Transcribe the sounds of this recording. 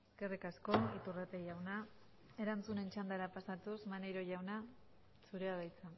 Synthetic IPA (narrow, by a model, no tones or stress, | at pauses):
eske̞rikasko̞nit̪urat̪eʝawna | e̞ɾant͡sune̞nt͡ʃand̪aɾapasat̪usmanejɾo̞ʝawna | suɾeaβajt͡sa